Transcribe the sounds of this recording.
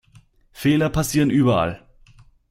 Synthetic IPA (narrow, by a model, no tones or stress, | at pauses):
feːlɐpʰasiːʁənʔyːbɐa̰l